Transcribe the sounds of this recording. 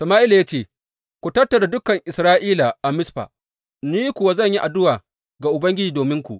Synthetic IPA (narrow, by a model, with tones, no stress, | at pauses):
sɐ˨maː˦ʔɪ˦la˨ja˦t͡ʃeː˦˨ | kʷu˨tɐ˦tːɐ˨da˨dʊ˦kɐ˨ŋʔɪ˨sɾaː˦ʔiː˦la˨ʔa˨mɪ˦sɸa̰ː˨ | niː˦jkʷʊ˨wa˦zɐ˦˨ɲji˦ʔa˨dʊ˦waː˨ | ɡa˨ʔʊ˨bɐ˦ŋɡʲɪ˦d͡ʒiː˨doː˨mɪ˦ŋkʷṵ˨ʔ